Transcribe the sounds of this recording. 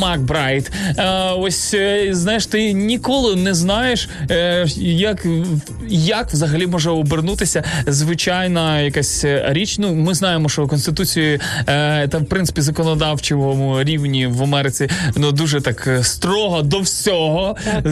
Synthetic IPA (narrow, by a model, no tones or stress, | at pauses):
mɑk̚bɾɑjt̪ | ɔsʲznɑjeʃt̪ɪnʲikɔlˠɪnɛznɑjeʃ | jɐk | jɐkwzɐɦɐlʲimɔʒɛɔbernut̪ɪsʲɐzʋɪt͡ʃɑjnɐjɐkasʲɾʲit͡ʃnumɪznɑjemɔʃt͡ʃɔkɔnst̪ɪt̪ut͡sʲiji | t̪ɐwpɾɪnsɪ̥pʲizɐkɔnɔd̪ɑwt͡ʃɪʋɔmʊɾʲiwnʲiʋɐmɛɾɪt͡sʲinud̪uʒɛt̪ɑkst̪ɾɔɦɔd̪ɔwsʲɔɦɔ